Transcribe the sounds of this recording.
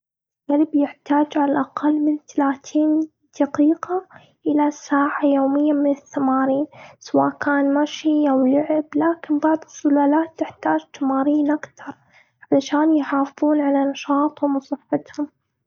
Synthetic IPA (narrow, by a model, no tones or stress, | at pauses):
ɣalbjɪħt̪aːd͡ʒʕalaʔaqalːmɪnt̪alaːt̪ʰiːn | d̪̥ɑqiːqa | ʔɪlasaːʕajoːmɪjːamɪnɪθːamaːɾiːnsawaːʔkaːnmaʃiʔawlʊʕɪblaːkɪnbɑʕðˤɨsːʊlaːlaːt̪ːɪħt̪aːd͡ʒt̪amaːɾiːnʔakt̪ɑɾˤ | ʔaʕlaʃaːnjħaːfɨðˤuːnʕalanɑʃɑːt̪ˤhʊmwsˤɨfːɪt̪hʊm